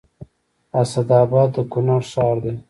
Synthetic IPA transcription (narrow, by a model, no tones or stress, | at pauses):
asad̪aːbɑd̪ːəkʊnaɾʃɑːɾd̪e